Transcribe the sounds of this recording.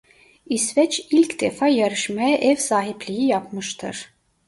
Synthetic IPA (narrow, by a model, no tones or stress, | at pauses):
isvɛt͡ʃilʲcd̪efajaɾɯʃmajɛʔɛvsaːɦiplʲijijapmɯʃt̪ʰɯɾ̥